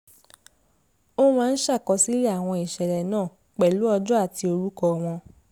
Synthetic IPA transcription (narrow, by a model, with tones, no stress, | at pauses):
o˦mãː˦˧n̩˦ʃa˦˨kɔ˨˧si˦ɾi˦a˦˨w̃ɔ̃˧i˨ʃɛ˨ɾɛ˨nãː˦˨ | k͡pɛ˨lu˨˦ɔ˧d͡ʒɔ˦a˦˨ti˧o˧ɾu˦kɔ˧w̃ɔ̃˧